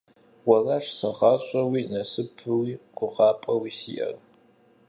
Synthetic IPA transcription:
wɐlaʂsɐʁɑːɕʼɐwiːnɐsɨpʰɨwiːɡ̥ʷʊʁɑːpʼɐwiːsḭːʔɐ̰r

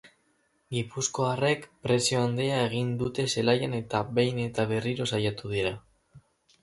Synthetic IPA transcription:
ɡipusko̞are̞kpɾe̞sio̞and̪eae̞ɣ̞ind̪ut̪e̞se̞lajane̞t̪aβe̞jne̞t̪aβe̞riɾo̞sajat̪uð̞iɾa

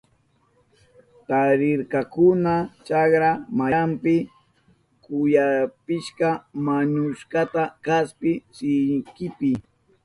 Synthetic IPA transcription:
t̪aɾɪɾkakʊnat͡ʃakɾamampɪ | kʊjapɪʃkamaɲʊʃkat̪akaspɪsɪŋkɪpɪ

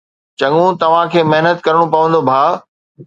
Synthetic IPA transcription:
t͡ɕɐŋũt̪ɐʋ̤ãkʰeːmɐɦnət̪kɐɾɽ̃õpɐʋə̃n̆d̪obʱaː

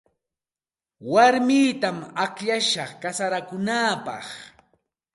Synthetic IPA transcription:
waɾmɪːt̪amakʎaʃɑχkasaɾakʊnaːpɑ̰χ

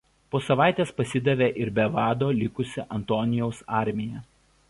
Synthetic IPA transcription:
poːsɐʋɑˑɪt̪ʲeːspɐsʲɪd̪ʲɐʋʲeːʔɪɾbʲɛʋɑːd̪oːlʲɪkʊsʲɪʔɐnt̪oːnʲɪjɛʊsɑˑɾʲmʲɪjɛ

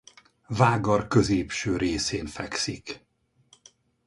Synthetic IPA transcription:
vaːɡɒrkøzeːpʃøːɾeːseːnfɛksik

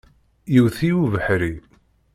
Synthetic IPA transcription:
jiwθiwuvəħɾi

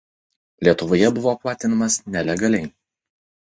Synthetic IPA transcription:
lʲiɛt̪ʊʋoːjɛbʊʋoːplˠɑːt̪ʲɪnɐmɐsnʲɛlʲɛɡɐlʲɛɪ

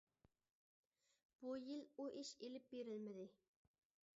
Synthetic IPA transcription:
b̥ujiluʔiʃelɪp̚beɾɪlmɪd̪ɪ

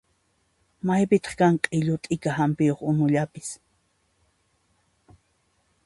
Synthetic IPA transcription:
majpɪt̪ɑ̥χkaɴqʼɪʎʊt̪ʼɪkahampɪjoχʊnʊʎapɪ̥s

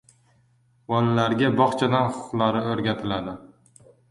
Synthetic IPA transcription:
wɒnlaɾɡʲabɒχt͡ʃʰad̪anχʊ̥qlˠaɾɪɵɾɡʲat̪ʰɪlad̪ɪ

